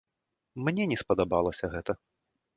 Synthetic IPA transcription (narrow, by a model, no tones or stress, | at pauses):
mnʲɛnʲɛspɐd̪abalˠɐsʲɐɣɛt̪ɐ